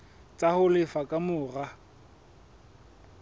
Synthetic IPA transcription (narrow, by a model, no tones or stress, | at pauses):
t͡sʼahʊlɪfakʼamʊːra